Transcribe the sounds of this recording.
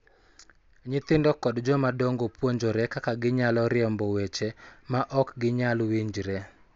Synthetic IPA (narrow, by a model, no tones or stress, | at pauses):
ɲɪt̪ɪndɔkɔdd͡ʒɔmadɔŋɡopwoɲd͡ʒoɾɛkakaɡɪɲalɔɾɪɛmbɔwet͡ʃemaʔɔkɡɪɲalwiɲd͡ʒɾɛ